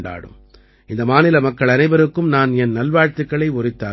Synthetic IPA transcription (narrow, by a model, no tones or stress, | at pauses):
ɳɖa̰ːɽɯ̰m | ɪnd̪ɐmaːnɪlɐmɐkːɐɭɐnɐɪʋɐɾɯkːɯmnaːnɛnnɐlʋaːɻt̪ɯkːɐɭɐɪɔɾɪt̪ːaː